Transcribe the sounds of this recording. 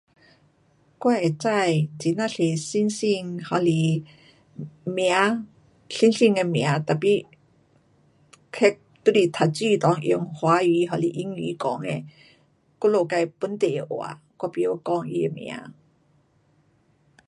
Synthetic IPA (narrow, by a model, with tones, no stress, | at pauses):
kwa˥˧e˨˩t͡sa˥˧jt͡si˨˦nã˥˧˨ɬe˨˩si˧˥nsi˥˧ŋhɔ˨˩li˧˨˩ | mja˨˧˦ | si˧˦nsi˥˧˨ŋe˧mj̃a˨˦t̪a˨˩pi˧˦ | kʰe˦k̚t̪u˧˦li˨˩t̪ʰa˨˩t͡si˥˧˨t̪ɔ˨˦ŋʔḭ˧˩ŋhwa˨˦i˨˦ɦɔ˧li˨ʔi˧˥˦ŋḭː˨˦kɔ̰˨˦ŋe˧ | ko˥˦lo˧˩ka˧jpu˧˦nt̪e˨˧ʔwa̰˨˩ | kwa˧˩pi˧˨o˧kɔ˧˩ŋḭ˧e˧mj̰̃a̰˨˧˦